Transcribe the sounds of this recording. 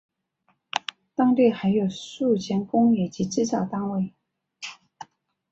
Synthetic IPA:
t̪ɑ˥ŋt̪e˥˩ɪxa˧˥ɪjo˨˩ʊʂu˥˩t͡ɕʰɛ˧˥nkʊ˥ŋjɛ˨˩t͡ɕi˧˥ʈ͡ʂɻ̩˥˧t͡sɑ˥˩ʊt̪ɑ˥ŋwe˥˩ɪ

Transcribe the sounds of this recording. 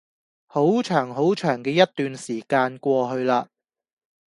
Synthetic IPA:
ho˨˥wt͡ʃʰœː˨˩ŋɦo˨˥wt͡ʃʰœː˨˩ŋkɛː˧jɐ˥tt̪ːyː˨nsiː˨˩kaː˧nkʷɔː˧ɦɵ˧ɥlaː˧

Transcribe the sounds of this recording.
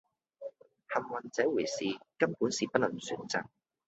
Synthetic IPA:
hɐ˨mwɐ˨nt͡sɛː˨˥wuː˨˩jsiː˨kɐ˥mpuː˨˥nsiː˨pɐ˥t̚lɐ˨˩ŋsyː˨˥nt͡sa̰ː˨ŋ̚

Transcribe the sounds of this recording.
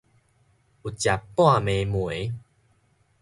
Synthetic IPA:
u˨t͡ɕja˨˩pːw̃ã˥˨mẽ˨mw̃e˨˦

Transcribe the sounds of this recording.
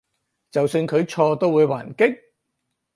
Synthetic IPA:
t͡sɐ˨wsy˧nkʰɵ˨˧ɥt͡sʰɔː˧t̪o˥wuː˨˧jwaː˨˩nkɪ˥k̚

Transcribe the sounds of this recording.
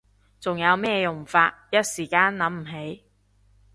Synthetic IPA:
t͡sʊ˨ŋjɐ˨˧wmɛː˥jʊ˨˩ŋfaː˧t̚jɐ˥t̚siː˨˩kaː˥nlɐ˨˥mm̩˨˩ɦe˨˥j

